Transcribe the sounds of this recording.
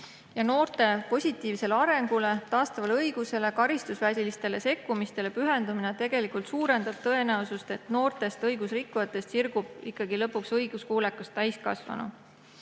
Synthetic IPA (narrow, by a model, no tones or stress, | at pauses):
jɑno̞ːrt̪e̞po̞sʲit̪ːˑiːvse̞leɑɾe̞ŋɡ̥ule̞t̪ɑːst̪ɑvɑleɤjɡ̥use̞le̞kɑɾist̪usvæsilist̪e̞le̞se̞kːumist̪e̞le̞pyɦe̞nd̪uminet̪e̞ɡ̥e̞likult̪suːɾe̞nd̪̥ɑb̥̚t̪ɤ̞e̞næusust̪e̞t̪no̞ːrt̪e̞st̪ɤjɡ̥usrikːˑujɑt̪ːˑe̞st̪sirɡ̥ub̥ikːɑɡilɤpːˑuksɤjɡ̥uskuːlekːˑust̪ːæjskɑ̰svɑ̰nṵ